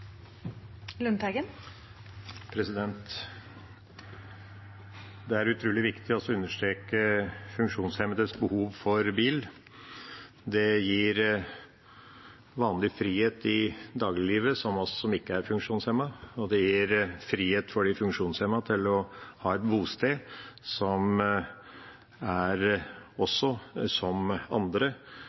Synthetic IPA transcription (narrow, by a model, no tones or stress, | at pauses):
lʉnt̪ɛɡən | pʰɾɛsɪd̪ɛnt̪ | d̪ɛæɾʉt̪ʰɾuːlɪʋɪkt̪ɪɔsɔʉnːəʂt̪ɾeːkəfʉŋkʂuːnshɛməd̪əsbəhuːʋfɔɾbiːl | d̪ɛjiːɾ | ʋɑːnlɪfɾiːheːt̪ɪd̪ɑːɡlɪliːʋəsɔmɔsɔ̥sɔmɪkːəæɾfʉŋkʂuːnshɛmːɑɔd̪ɛjiːɾfɾiːheːt̪fɔɖifʉŋkʂuːnshɛmɑt̪ʰɪlɔhɑːɛt̪buːst̪eːsɔm | æɾɔsːɔsɔmɑ̰nd̪ɾə